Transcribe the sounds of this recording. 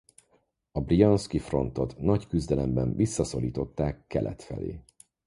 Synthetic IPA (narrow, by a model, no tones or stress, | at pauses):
ɒbrijonskifro̞nt̪o̞t̪nɒckyzd̪ɛlɛmbɛɱvisːɒso̞liːt̪o̞t̪ːaːkːɛlʔɛ̰t̪fɛ̰lḛː